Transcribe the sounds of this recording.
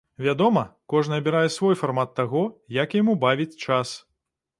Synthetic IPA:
vʲad̪ɔmɐkɔʐnɐɐbʲiɾajɛsvɔjfarmat̪ːaɣɔjakjamubavʲit͡sʲt͡ʂas

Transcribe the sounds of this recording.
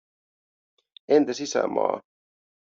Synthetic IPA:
ent̪æsisæ̰mɑ̰ː

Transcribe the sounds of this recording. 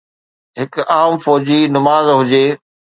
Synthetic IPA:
ɦɪkaːmfɔːd͡ʑinɐmaːzɦʊd͡ʑeː

